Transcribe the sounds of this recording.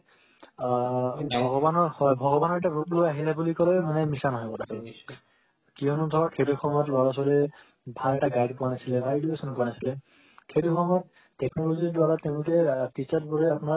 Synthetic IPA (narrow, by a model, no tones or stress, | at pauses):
bʱɔɡɔbanɔɹhɔbʱɔɡɔbanɔɹɛtabuplojaɦilɛbulikɔlemanɛmisanɦɔjkɔtapai | kiɔnudʱɔɹɔkʰejtukʰɔmɔjɔtlɔɹas̬ɔɾɛ | bʱalɛʈaɡajɖpuwanasilɛbʱaleduesɔnpuanasilɛ | kʰejtukʰɔmɔjɔtː | ɛknɔloziɹdwaɹateʊ̃lʊkɛtit͡ʃat̚bɔɹɛapuna